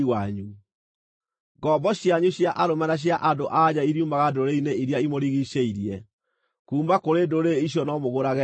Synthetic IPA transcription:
waɲu | ɡɔːbɔɕjaɲuɕjaʔaɾomanaɕ̬jaʔadoʔaɲaiɾiumaɣadoɾeineiɾjaimoɾiɣiʃeiɾiɛ | kuːmbakoɾedoɾeiɕ̬jɔnɔmoɣoɾaɣɛ

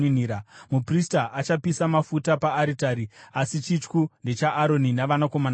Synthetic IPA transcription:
niɾamupristaʔat͡ʃapisamafutapaːɾitaːɾiasit͡ʃit͡ʃkunde̞t͡ʃaʔːɾo̞ninaʋanako̞man

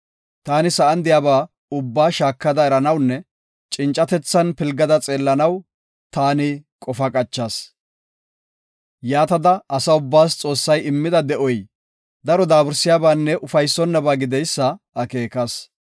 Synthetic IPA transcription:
t̪aːnɪsɐʔɐnd̪ɪjaːbaː | ʊbːaːʃaːkːɐd̪ɐɛɾɐnɐwnːɛ | t͡ʃʼɪnt͡ʃʼːɐt̪ɛt͡sːɐnpɪlɡɐd̪ɐt͡sʼeːlːɐnɐw | t̪aːnɪkʼɔfɐkʼɐt͡ʃːɐs | jaːt̪ɐd̪ɐʔɐsɐʊbːaːst͡sʼo̞ːsːɐjɪmːɪd̪ɐd̪ɛʔɔj | d̪ɐɾɔd̪aːbɪɾsɪjaːbaːnːɛʔʊfɐjsːɔnːɐbaːɡɪd̪ɛjsːɐ | ɐke̞ːkɐs

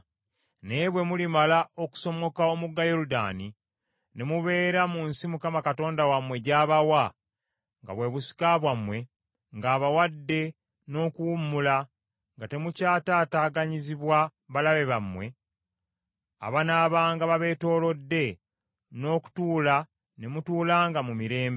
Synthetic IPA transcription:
ne̞βwe̞mulimalaʔo̞ku̥so̞mo̞kao̞muɡːajoɾuda̰ːni | nemuβe̞ːɾamunsimukamakato̞ːndawamwe̞ɟaːβawa | ŋɡa̰βwe̞βusi̥kaβwamwe̞ | ŋɡaːβawadːe̞ | no̞ːkuwumːula | ŋɡate̞mucaːtaːtaːɡaɲiziβwaβalaβe̞βamwe̞ | a̰βanaβaːŋɡaβaβe̞ːto̞ːlo̞dːe̞ | no̞ːku̥tuːla | ne̞mutuːlaːŋɡamumiɾe̞ːmbe

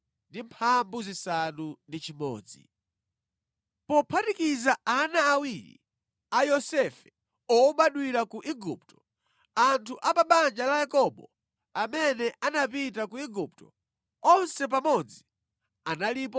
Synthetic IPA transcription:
ndimpʰambuzisanundit͡ʃimɔ̰ːd͡zḭ | pɔpʰatikizaanaːwiɾḭ | ajɔsɛfɛ | ɔɓaɗwiɾakuʔiɡup̚tɔ̥ | antʰuʔapaɓand͡ʒalajakɔɓɔ | amɛnɛʔanapit̬akuiɡup̚tɔ | ɔnsɛpamɔd͡zi | analiːp̬ɔ

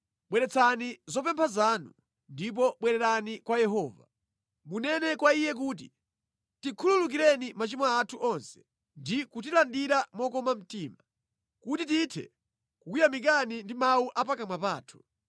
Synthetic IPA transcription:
ɓwɛɾɛt͡sʰanizɔpɛmpʰazanu | ndip̬ɔɓwɛɾɛɾanikwajɛɦɔːva̰ | munɛnɛkwaijɛk̬uːt̬i | tikʰululuk̬iɾɛnimat͡ʃimaatʰuʔɔnsɛ̥ | ndikut̬ilandiɾamɔkɔmam̩tiːma | kutititʰɛ̰ | kukujamik̬anindimauʔapakamapaːtʰu̥

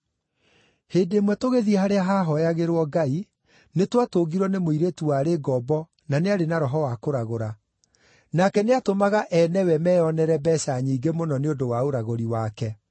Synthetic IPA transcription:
heːdeːmwɛtoɣeðiɛhaɾeaɦaːɦɔjaɣeɾwɔɡai | netwatoːɡiɾwɔnemoiɾetuwaɾeɡɔbɔ | naneaɾenaɾɔɦɔwakoɾaɣoɾa | nakɛneatomaɣaʔɛnɛwɛmɛjɔnɛɾɛbɛsaɲiːɡemonɔneodowaoɾaɣoɾiwakɛ

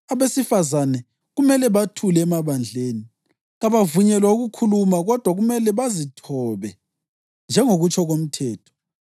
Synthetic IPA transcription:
aβesifazanɛ | ɣumɛlɛβatʰulːmaβand͡ɮʱeːni | ɣaβavuɲɛlwauɣukʰulumaɣɔd̥ʱwaɣumɛlɛβazitʰɔβɛ | nd͡ʒʱɛŋoɣut͡ʃʰʼɔɣom̩tʰɛːtʰɔ̥

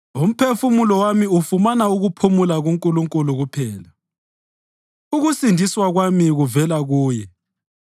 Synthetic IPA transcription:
um̩pʰefumulɔwamiufumanauɣupʰumulaɣuŋkʼuluŋkʼuluɣupʰɛːla | uɣusindʱiswaɣwamiɣuvɛlaɣuːjɛ

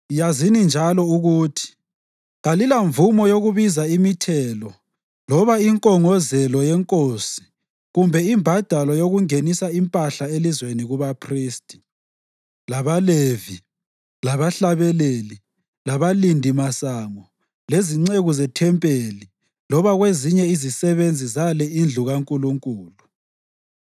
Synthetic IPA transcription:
jazinind͡ʒʱalɔuɣuːtʰi̥ | ɣalilaɱvumɔjoɣuβizaimitʰɛlɔ | lɔβaiŋkʼɔŋɔzɛlɔjɛŋkʼosi̥ | ɣumbʱɛimbʱad̥ʱalɔjoɣuŋenisaimpʼaɬaelizweniɣuβapʰriːstʼi̥ | laβalevi | laβaɬaβɛleli | laβalindʱimasaːŋɔ | leziŋ͡ǀeɣuzɛtʰɛmpʼeːli | lɔβaɣweziɲɛizisɛβend͡zʱizalɛind͡ɮʱuɣaŋkʼuluŋkʼuːlu

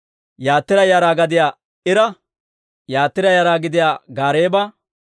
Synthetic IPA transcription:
jaːt̪ːɪɾɐjaːɾaːɡɐd̪ɪjaː | ɪɾɐ | jaːt̪ːɪɾɐjaːɾaːɡɪd̪ɪjaːɡaːɾeːbɐ

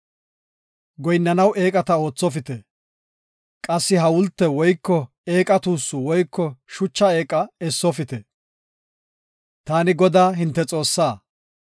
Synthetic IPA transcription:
ɡɔjnːɐnɐwʔe̞ːkʼɐt̪ɐo̞ːt͡sːɔfɪt̪ɛ | kʼɐsːɪɦɐwʊlt̪ːɛwɔjkːɔ | e̞ːkʼɐt̪uːsːʊwɔjkːɔʃʊt͡ʃːɐe̞ːkʼɐɛsːɔfɪt̪ɛ | t̪aːnɪɡɔd̪aːɦɪnt̪ːɛt͡sʼo̞ːsːaː

